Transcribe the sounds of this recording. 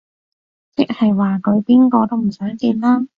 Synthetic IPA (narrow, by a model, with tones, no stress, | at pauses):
t͡sɪ˥k̚hɐ˨jwaː˨˩kʰɵ˨˧ɥpiː˥nkɔː˧t̪o˥wm̩˨˩sœː˨˥ŋk̪iː˧nlaː˥